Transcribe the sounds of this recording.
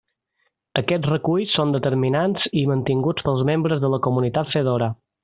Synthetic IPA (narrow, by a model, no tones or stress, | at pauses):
əkɛd͡zrəkuʎsːond̪ət̪əɾminanzimənt̪iŋɡut͡spəlˠzmembɾəzðələkumunit̪at̪səðoɾə